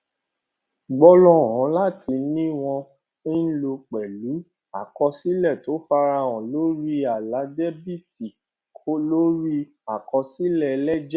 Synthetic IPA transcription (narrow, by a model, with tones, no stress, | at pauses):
ɡ͡bɔ˦lɔ˦˨ɔ̃˨˦la˦˨tʰi˧nĩ˦w̃ɔ̃˧ | i˦n̩˦lo˧k͡pɛ˨lu˨˦ | a˦˨kɔ˧si˦lɛ˦˨to˨˦fa˧ɾa˧˨wɔ̃˨lo˦ɾi˦a˨la˨˦dɛ˦bi˦˨ti˨ | kʰo˦lo˦ɾi˦ | a˨kɔ˧si˦lɛ˦˨˧lɛ˦d͡ʒɛ˦